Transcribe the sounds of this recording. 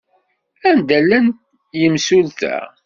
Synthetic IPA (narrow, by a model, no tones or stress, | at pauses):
ænd̪ælːænt̪ | jəmsulθæ̰